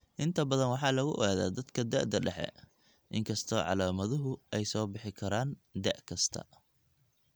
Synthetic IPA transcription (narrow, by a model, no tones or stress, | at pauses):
ʔɪnt̪ʰɐbɐðɐnwɑħɑːlɐɣʊʔɔ̰ɣaːða̰ːd̪ɐd̪kʰɐd̪ɛʔd̪ɐɖɛħɛ̰ | ʔɪŋkʰɐst̪ʰɔːʕɑ̰laːmɐðʊɦʊʔɛjsɔːbɪħɪkʰɐɾaːnd̪ɛ̰ʔkʰɐst̪ʰɐ̰